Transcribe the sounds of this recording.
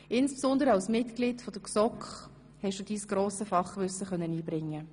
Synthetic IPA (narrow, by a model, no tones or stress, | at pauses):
ɪnspsɔnd̪əɾəɑwsmɪtklitfɔd̥əksɔkχ | hɛʃd̥ud̥iːsɡ̥ɾoːsəfɑχʋʏsəχœnːəniːbɾɪŋːə